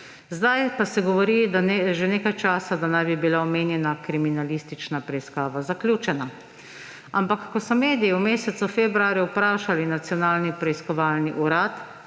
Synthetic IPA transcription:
zd̪ajpasɛɡɔʋɔɾid̪aneʒeneːkajt͡ʃaːsad̪anajbibilaɔmeːnjɛnakɾiminalist̪it͡ʃnapɾɛiskaːʋazakljuːt͡ʃɛna | ampakːɔsɔmeːd̪ijiwmeːsɛt̪sufebɾuaːɾjuwpɾaːʃalinat̪sijɔnaːlnipɾɛiskɔʋaːlniʔuɾaːt̪

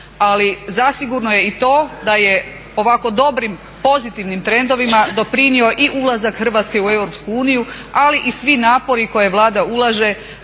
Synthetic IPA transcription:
alizasiɡuɾnoje̞it̪o̞ːd̪aje̞ | o̞ʋako̞d̪o̞bɾim | po̞zit̪iʋnimt̪ɾe̞nd̪o̞ʋimad̪o̞pɾinio̞ʔiʔulˠazakxr̩ʋaːt̪ske̞ue̞wɾopskuuːniju | aliʔisʋinaːpo̞ɾiko̞je̞ʋlˠaːd̪aulˠaʒe̞

